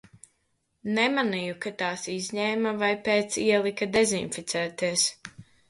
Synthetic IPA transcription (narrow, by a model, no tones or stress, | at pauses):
nɛmanijukat̪aːsizʲɲɛːmavajpeːt̪siɛlˠikad̪ɛzinfit̪sʲæːt̪iɛs